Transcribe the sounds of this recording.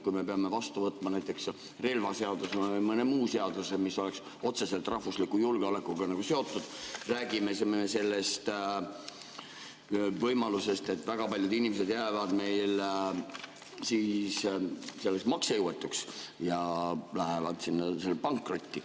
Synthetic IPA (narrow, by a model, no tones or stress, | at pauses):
kujme̞pe̞ɑme̞vɑst̪uvɤt̪ːˑmɑnæjt̪ːˑe̞ks | re̞lvɑse̞ɑd̪usemɤnemuːse̞ɑd̪̥usemiso̞le̞ks | o̞t̪se̞se̞lt̪ˑrʔɑhvuslikːujulɡ̥eole̞kːˑuɡ̥ɑnɑɡ̥use̞o̞t̪ːˑud̪̥ræːɡime̞semenese̞lːest̪ | vɤjmɑluse̞st̪e̞t̪ːˑvæɡ̥ɑpɑlʲjud̪inʲimese̞d̪jæːvɑd̪̥me̞jl | siːsse̞lːesmɑksejuwet̪ːˑuksjɑlæɦe̞vɑ̰d̪̥sinːɑselːepɑŋkːro̞t̪ʲːi